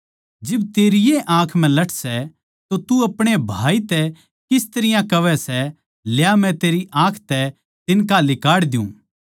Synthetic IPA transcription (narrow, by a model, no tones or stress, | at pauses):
d͡ʒɪbt̪eːɾɪjeʔãːkʰm̤ɛ̃lɐʈʰsɛ | t̪ot̪uɐpɽ̃ebʱaːit̪ɛ | kɪst̪ɐɾɪjãkɐʋɛsɛ | ljamɛ̃t̪eːɾiʔãːkʰt̪ɛ | t̪ɪnkalɪkaːɽd̪jṵ̃ː